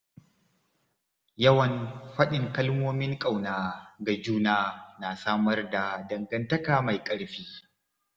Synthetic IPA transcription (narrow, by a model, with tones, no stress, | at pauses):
jɐ˦wɐ˨nɸɐ˦ɗɪ˨ŋkɐ˦lmoː˦mɪ˦ŋkʼa˨wnaː˨ɡa˨d͡ʒuː˦naː˦naː˨saː˦mɐ˦rda˨dɐ˨ŋɡɐ˦ntɐ˦kaː˨ma˨jkʼɐ˦ɽɸiː˦